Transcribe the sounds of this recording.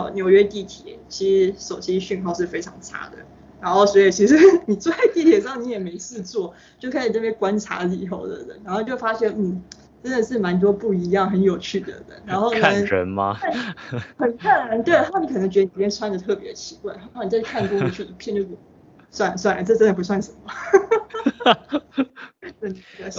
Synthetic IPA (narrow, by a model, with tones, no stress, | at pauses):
njo˧˥ʊɥɛ˥t̪i˥˩t̪ʰjɛ̰˨˩˦t͡ɕʰi˧˥ʂɻ̩˧˥ʂo˨˩ʊt͡ɕi˥ɕy˥˧nkʰo˥˧ʊʂ̬ɻ̩˥˩fe˥ɪʈ͡ʂʰɑ˧˥ŋt͡sʰa̰˥d̪ə̰˨˦ | ɻa˧˥nxo˥˩ʊswɔ˧˥i˨˩t͡ɕʰi˧˥ʂɻ̩˧˥ni˨˩t͡swɔ˥˧a˥˧ɪt̪i˥˩t̪ʰjɛ˨˩ʂɑ˥˩ŋni˧˥jɛ˨˩me˧˥ɪsɻ̩˥˧t͡swɔ˥˩ | t͡ɕjo˥˩ʊkʰɤ˧˥i˨˩nə˥˩pjɛ˥kwa˥nʈ͡ʂʰa̰˧˥li˨˩o̰˥˩ʊd̪ə̰˩d̪ə̰˨˩ɻa˧˥xo˥˩˧t͡ɕjʊfa˥ɕjɛ˥˧˩nn̩˥˩ | ʈ͡ʂə˥nd̪ə˨ʂɻ̩˥˩ma˧˥nt̪̬wɔ˥pu˥˩i˧˥jɑ˥˩ŋxə˧˥njo˨˩ʊt͡ɕʰy˥˩d̪ə̰˩d̪ə̰˩ɻa˧˥nxo˥˩˧ɻə̰˧˦nmɐ̰˧˥˩xə˨˩nkʰa˥˩nɻa˧˥nt̪we˥˩ɪt̪ʰa˥˩ni˧˥kʰɤ˨˩nɤ˧˥ŋt͡ɕɛ˧˥ə˧˩i˨˩˧jɛ˥nsʰwa˥nd̪ə˨t̪ʰɤ˥˩pjɛ˧˥də˨t͡ɕʰi̥˧˥kwa˥˧nʰ˥˧˥n˨˧˩kʰa˥˩nk̪wɔ˥ə˧˩t͡ɕʰy˥˩i˧˥pʰjɛ˥˧nt͡ɕjo˥˧ʊʂ̩˥˩˥ | swa˥˩n˩swa˥˩n˩ʈ͡ʂɤ˥˩ʈ͡ʂə˥nd̪p̬u˧˥s̬wa˥˩nʂə˧˥nmə˨˥˩ | ə˥˩n˨˩t̪e˥˩